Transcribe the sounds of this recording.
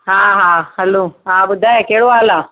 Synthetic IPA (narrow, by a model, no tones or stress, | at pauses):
ɦãːɦãːhɐloːɦãːbʊd̪ʱaekeːɽoaːlaː